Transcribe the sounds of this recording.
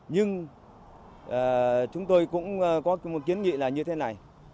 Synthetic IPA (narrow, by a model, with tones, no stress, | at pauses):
ɲɨ˧ŋ | ʔaː˨˩t͡ɕʊ˨˦ŋ͡mt̪o˧jkʊ̰˧˥ŋ͡mkɔ˨˦mo˨˩t̚ki˨˦ənŋḭ˧˨laː˨˩ɲɨ˧t̪ʰe˨˦na˨˩j